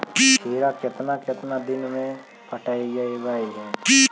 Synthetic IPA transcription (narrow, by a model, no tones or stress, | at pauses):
k̪ʰeːɾakɪt̪naket̪nad̪ɪnmẽ | pəʈʰaːid͡ʒaːiɡaːiɦɛː